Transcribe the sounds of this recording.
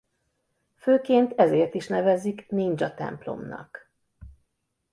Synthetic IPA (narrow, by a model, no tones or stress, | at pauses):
føːkeːnt̪ɛzeːrt̪iʃnɛvɛzikniːnd͡ʒɒt̪ɛ̰mplo̞̰mnɒ̰k